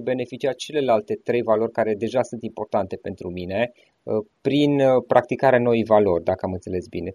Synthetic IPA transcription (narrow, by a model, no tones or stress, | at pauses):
be̞ne̞fit͡ʃiat͡ʃe̞le̞lalt̪e̞t̪ɾe̞jvalo̞rʲkaɾe̞d̪e̞ʒasunt̪impo̞rt̪ant̪e̞pe̞nt̪ɾumine̞ | pɾinpɾʔak̚t̪ikaɾeano̞ijvalo̞rʲd̪akəamɨnt̪se̞le̞sbine̞